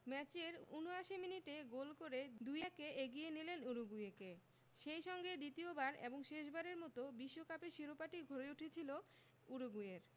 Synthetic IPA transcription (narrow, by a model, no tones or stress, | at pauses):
mɛt͡ɕeɾunoaʃiminiʈeɡolkoɾed̪ujakeʔeɡijenilenuɾuɡujeke | ʃejʃɔŋɡed̪it̪iobaɾḛboŋʃeʃ̬baɾeɾmɔt̪obiʃːokapeɾʃiɾopaʈiɡʱoɾeuʈʰet͡ɕʰilo | uɾuɡujeɾ